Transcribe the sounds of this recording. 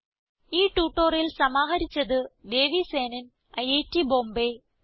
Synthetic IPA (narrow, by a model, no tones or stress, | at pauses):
iːʈuːʈːoːrilsɐmaːɦɐɾit͡ɕːɐðɨd̪e̞ːʋise̞ːnɐn | ɐjeːtːibo̞ːmbe